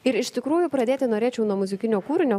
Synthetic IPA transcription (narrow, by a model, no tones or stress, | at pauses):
ɪɾɪʃʲt̪ʲɪkɾuːjʊpɾɐd̪ʲeːt̪ʲɪnoːɾʲeːt͡ʃʲɛʊnuɔmʊzʲɪkʲɪnʲoːkuːɾʲɪnʲoː